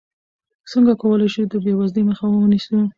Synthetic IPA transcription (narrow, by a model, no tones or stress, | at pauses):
səŋɡakawəlajʃud̪əbewazleməxawəənisu